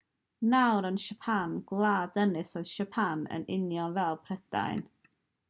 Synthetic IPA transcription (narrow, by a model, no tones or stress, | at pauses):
nawɾənʃəpʰanɡlˠaːdənɨsoɨð̥ʃəpʰanə̰nɪnjɔnvɛlˠpʰrɛda̰jn